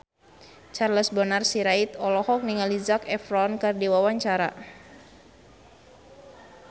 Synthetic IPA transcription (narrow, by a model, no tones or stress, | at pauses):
t͡ʃarləsbənarsiɾait̪ɔlɔhɔk̚niŋalizakɛfɾɔnkardiwawaɲt͡ʃaɾa̰